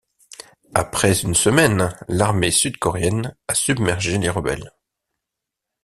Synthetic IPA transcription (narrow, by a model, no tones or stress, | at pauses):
a̰pχɛzynsəmɛnlaʁmesyd̪kɔʁeɛnasybmɛʁʒeleʁəbɛ̰l